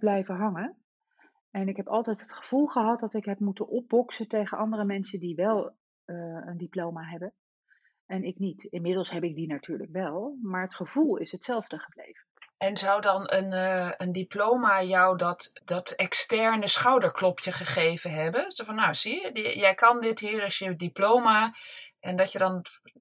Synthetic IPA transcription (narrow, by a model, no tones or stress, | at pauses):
b̥lɛjvəɦɑŋə | ɛnɪkɦɛpɑlˠtɛjtɦətχəv̥ulˠχəɦɑt̚dɑtɪkɦɛp̚mutənʔɔb̚bɔksətejχənʔɑndərəmɛnsədiʋɛlˠ | əndiplowmaɦɛbən | ɛnɪknitɪnmɪdəlˠsɦɛbɪk̚dinatʰyːɹləkʋɛlˠmaːɹɦətχəv̥ulˠɪ̰sɦətsɛlˠvdəχəblḛjv̥ənʔɛnzʌwdɑnənəndiplowmajawdɑtd̥ɑtɛkstɛɹnəsχawdəɹklɔpʰjəχəχejvəɦɛbənsɛfɑnːawz̥ijɛjkɑndɪtɦiːɹɑsjəɛdiplowmaʔɛndɑtədɑn